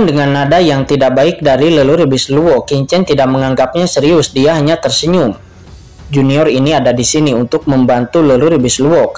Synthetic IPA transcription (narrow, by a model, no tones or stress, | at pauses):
ndəŋanːadajaŋt̪idak̚baɪk̚daɾiləluɾibɪsluɔkiɲt͡ʃɛnt̪idak̚məŋaŋɡap̚ɲasəɾiʊsdiaɦaɲat̪ərsəɲʊm | d͡ʒuniɔriniadadisiniunt̪ʊk̚məmbant̪uləluɾibɪsluɔk